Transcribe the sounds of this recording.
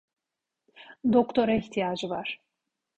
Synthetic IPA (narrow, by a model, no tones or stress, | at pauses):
d̪okt̪ʰo̞ɾaiçt̪ʰijaːd͡ʒɯvaɾ̥